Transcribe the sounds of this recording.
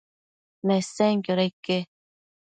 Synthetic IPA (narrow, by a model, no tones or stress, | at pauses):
neseŋkjoɾejke